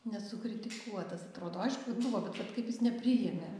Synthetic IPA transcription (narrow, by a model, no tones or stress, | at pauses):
nʲɛsʊkɾʲɪt̪ʲɪkuɔt̪ɐsɐt̪ɾoːd̪oːɐɪʃkʊʋɐbʊʋoːbʲɛt̪ʋɐt̪kɐɪpjɪsnʲɛpʲɾʲɪjɛmʲɛ